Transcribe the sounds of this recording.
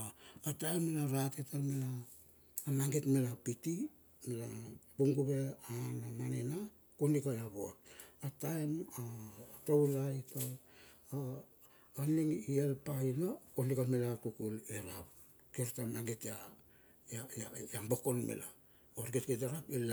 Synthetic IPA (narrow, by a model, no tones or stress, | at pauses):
atajmːelaɾatetamelaː | maŋɡetmelapiti | melab̥uŋɡuβeanamanena | konikajaβoatataematowlaitʰowaː | niŋielpainokonikamelakukuleɾap | keɾtamaŋɡetja | jajajambo̞ko̞nmḛla̰ | oɾketket̬eɾakila